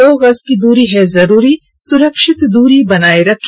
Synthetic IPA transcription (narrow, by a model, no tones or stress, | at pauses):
oːɣɐzkid̪uːɾiɦɛzɐɾuːɾi | sʊɾəkʃɪt̪d̪uːɾibɐnaːeɾɐkʰ